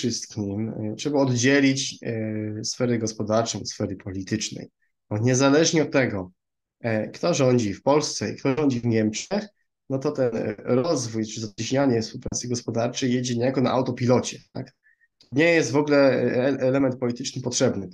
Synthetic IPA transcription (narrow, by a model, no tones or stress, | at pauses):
ʂɘst̪kʲʰimtʂɛbaɔd̪d͡ʑelʲit͡ɕ | sfɛɾɛɡɔspɔd̪aɾt͡ʂɔ̃w̃sfɛɾɘpʰɔlʲit̪ɘt͡ʂnɛ̰j | bɔɲɛzalɛʐɲiɔt̪ːɛɡɔ | kt̪ɔʐɔɲd͡ʑifpɔlst̪sɛḭkt̪ɔʐɔɲd͡ʑivɲɛmt͡ʂɛx | nɔt̪ɔt̪ɛnɾɔzvujt͡ʂɘzat͡ɕiɕɲaɲɛfspuwpɾat̪sɘɡɔspɔd̪aɾt͡ʂɛjɛd͡ʑɛɲɛjakɔna̰ʔawt̪ɔpʲilɔt͡ɕɛt̪ak | ɲɛjɛst̪vɔɡlɛʔɛlɛmɛnt̪̚pɔlʲit̪ɘt͡ʂnɘpɔtʂɛbnɘ